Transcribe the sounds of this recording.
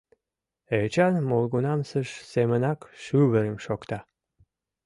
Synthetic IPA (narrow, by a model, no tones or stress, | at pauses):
et͡ɕɑnmolˠɡunɑmsəʃsemənɑkʃyβəɾəmʃokt̪ɑ